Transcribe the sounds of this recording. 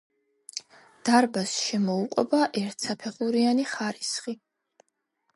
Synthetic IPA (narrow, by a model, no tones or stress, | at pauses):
d̪̥aɾbasʃɛmɔuqʼwɛ̰baʔɛɾt̪ʰsapʰɛχuɾianiχaɾisχi